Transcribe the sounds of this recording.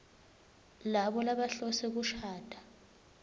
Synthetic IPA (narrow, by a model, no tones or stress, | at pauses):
laɓɔlaɓaɬɔsek̬uʃʰaːd̥ʰʱʼḁ